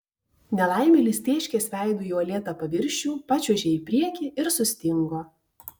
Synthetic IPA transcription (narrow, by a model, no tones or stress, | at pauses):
nʲɛlˠɑˑɪmʲɛlʲɪsʲt̪ʲeːʃʲkʲeːsʲʋʲæˑɪd̪uːjɔlʲeːt̪ɐpɐʋʲɪɾʲʃʲuːpɑt͡ʃʲɛʒʲeːiːpʲɾʲiɛkʲiɪɾsʊsʲt̪ʲɪŋɡoː